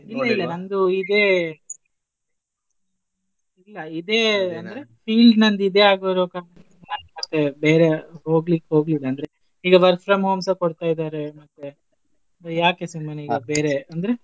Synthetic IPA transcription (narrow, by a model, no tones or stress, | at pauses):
ilːɐilːɐnɐnd̪uid̪eː | ilːɐid̪eːɐnd̪ɐɾe̞piːlɖnɐnd̪id̪e̞ːaːɡoɾoːkaːnɐn | naːnmɐt̪ːebeːɾeɦoːɡlikːeɦo̞ːɡlid̪ɐnd̪ɐɾe | iːɡɐʋɐɾkfɾɐmɦoːmsɐkoɽt̪aːjid̪aːɾemɐt̪ːe | bɐjaːkesimːɐniːɡɡɐbeːɾeɐnd̪ɐɾe